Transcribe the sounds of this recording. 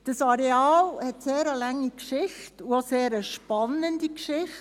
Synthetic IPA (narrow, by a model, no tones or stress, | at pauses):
d̥əsɑɾeɑːlhɛtseːɾəlaŋːikʃɪxtuoseːɾəʃpɑnəndikʃɪχt